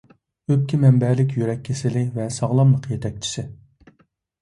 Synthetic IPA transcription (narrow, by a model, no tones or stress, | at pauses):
øp̚kʲʰimɛmbɛlɪk̬ʲjyɾɛkʲʰːesɪlɪvɛsɑʁlˠɑmlˠəqjet̪ʰɛk̚ʲt͡ʃʰi̥sɪ